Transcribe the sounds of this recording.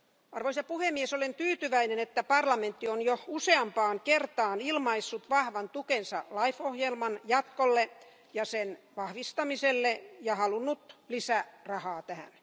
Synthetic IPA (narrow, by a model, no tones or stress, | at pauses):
ɑrʋoisɑpuhemːiesolent̪yːt̪yʋæinenet̪ːæpɑrlɑment̪ːionjouseɑmpɑːŋkert̪ɑːnilmɑisːut̪ʋɑhʋɑnt̪ukensɑ̰lɑifohjelmɑnjɑt̪kolːe | jɑsenʋɑhʋist̪ɑmiselːejɑhɑlunːut̪lisærɑhɑːt̪æhæ̰n